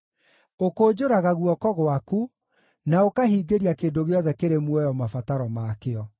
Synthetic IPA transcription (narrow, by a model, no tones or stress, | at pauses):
okoːd͡ʑoɾaɣaɣuɔkɔɣwaku | naokahiːɡeɾiakeːndoɣeɔðɛkeɾemwɛjɔmafataɾɔmakeɔ